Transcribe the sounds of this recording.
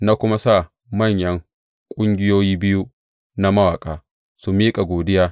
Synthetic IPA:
na˦kʷʊ˦ma˦saː˦˨ | mɐ˦˨ɲjɐ˦ŋ | kʷʼʊ˦ŋɡʲɪ˦joː˦jiː˦bɪ˦ju˦ | na˦mɐ˦waː˨kʼaː˨ | su˨miː˦kʼa˨ɡʷoː˨dɪ˦jaː˦

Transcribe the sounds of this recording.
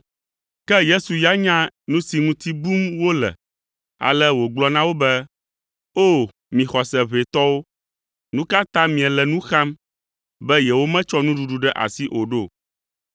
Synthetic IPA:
kɛ˦je˦su˨ja˦ɲã˦nũ˦si˨ŋũ˦t̪i˦bu˦mwo˦lɛ̰˨ | a̰˨lɛ˦wo˨ɡ͡blɔ˦nã˦wo˦bɛ˦ | o˦˨ | mĩ˨xɔ˨sɛ˨βe˨t̪ɔ˦wo˦ | nũ˦ka˦t̪ã˦mĩ˨ɛ˨lɛ˨nũ˦xa˦m | bɛ˦jɛ˨wo˦mɛ̃˦t͡ʃɔ˦nũ˦ɖu˨ɖu˨ɖɛ˦ʔa̰˨si˦ʔo˨ɖo˦˨

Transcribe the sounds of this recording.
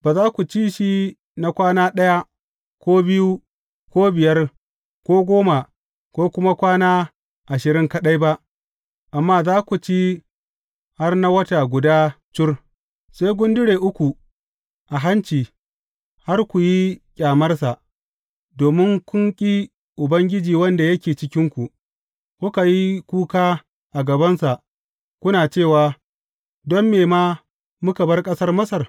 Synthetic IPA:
baː˨zaː˦kʷu˨t͡ʃiː˦ʃi˦ | na˦kʷaː˦naː˦ɗɐ˦ja˦ | kʷoː˦bɪ˦ju˦ | kʷoː˦bɪ˨jɐ˦r | kʷoː˦ɡʷoː˦ma˨ | kʷoː˦kʷʊ˦ma˦kʷaː˦naː˦ | ʔa˨ʃɪ˨ɾɪ˦ŋkɐ˦ɗa˦jba˦ʔ | ʔa˨mːaː˦zaː˦kʷu˨t͡ʃi˦ | ha˦rna˦wɐ˦ta˨ɡʷʊ˨daː˦ | t͡ʃʊ˦r | sa˦jɡʷʊ˦ndɪ˦ɽeː˨ʔʊ˦kʷu˨ | ʔa˨ɦa˦nt͡ʃiː˨ | ha˦rkʷu˨ji˦kʲʼaː˨mɐ˦rsa˨ʔ | doː˨mɪ˦ŋkʷʊ˦ŋkʲʼi˦ | ʔʊ˨bɐ˦ŋɡʲɪ˦d͡ʒiː˨wɐ˦nda˨jɐ˦kʲeː˨t͡ʃɪ˦kʲɪ˦ŋkʷu˨ʔ | kʷʊ˦ka˨ji˦kʷuː˦kaː˦ | ʔa˨ɡɐ˨bɐ˦nsa˨ʔ | kʷʊ˦naː˨t͡ʃeː˦˨waː˨ | dɔ˦mːeː˨maː˦ | mʊ˦ka˨bɐ˦rkʼɐ˦sɐ˦rmɐ˦sɐ˨r

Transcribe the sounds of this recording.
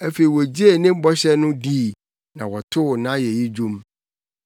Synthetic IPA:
æ˦fe˨i˨wɔ˨d͡ʑi˦e˨nɪ̃˦m̩˦bɔ˦ɕɛ˦nʊ̃˦diː˦˨ | nã̰˨wɔ˨tʰʊ˦˨nã˦jɛ˨ji˦d͡ʑᶣũ˦m

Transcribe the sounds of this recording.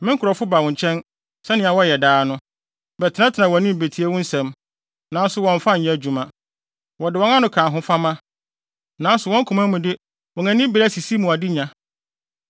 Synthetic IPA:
mɪ̃˦ŋ̩˦kʰɾɔ˨fʊ˦ba˨wɔ̃˨ɲ˨t͡ɕʰɛ̃˦n | sɛ˦nɪ̃˨a˨wɔ˦˨ɛ˨daː˨˦nʊ̃˦ | bɛ˨tʰɪ˨nã˦tʰɪ˨nã˨wɔ̃˨˦nɪ̃˦m̩˨be˨tʰi˨˦e˦wɔ̃˦n̩˦sɛ̃˨m | nã˨˦n˦sʊ˨wɔ̃˨ɱ˨fa˦ɲ̩˨ɲã˦˨d͡ʑu˨mã˨ | wɔ˨dɪ˨wɔ̃˦ŋã˦nʊ̃˦kʰãː˨ɦʊ̃˦fa˦mã˦ | nã˨˦n˦sʊ˨wɔ̃˦ŋ˦kʰũ˨mã˦mũ˨dɪ˦ | wɔ˨ŋæ̃˨nɪ̃˦bɪ˨ɾæ˦si˨si˦mũ˨a˨dɪ˦ɲã˨

